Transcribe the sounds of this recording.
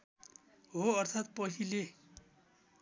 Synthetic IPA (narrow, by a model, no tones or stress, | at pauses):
ɦoʌrt̪ʰat̪̚pʌɦile